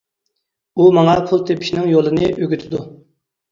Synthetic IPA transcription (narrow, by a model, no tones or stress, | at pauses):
umɑŋɑpʰulˠt̪ʰepʰɪ̥ʃnɪŋjolˠɨnɨʔøɡʲyt̪ʰɪd̪u